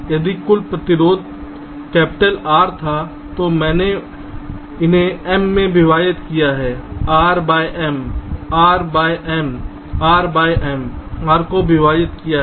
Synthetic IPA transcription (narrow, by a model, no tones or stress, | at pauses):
jɐd̪ikʊlpɾət̪ɪɾoːd̪ | kɛːpɪʈəlaːɾt̪ʰa | t̪omɛ̃ːne | ɪnɦẽɛmːẽbɪʋaːjɪt̪kijaɦɛːaːɾbaːjʔɛmaːɾbaːjʔɛm | aːɾbaːiʔɛːmaːɾkobɪʋaːjɪt̪kija